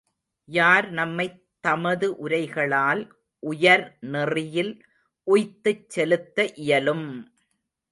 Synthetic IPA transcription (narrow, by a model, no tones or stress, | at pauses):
jaːɾnɐmːɐɪ | t̪ːɐmɐðɯʔʊɾɐɪɣɐɭaːl | ʔʊjɐɾnɛrɪjɪl | ʔʊjt̪ːɯt͡ʃːɛlɯt̪ːɐʔɪjɐlɯm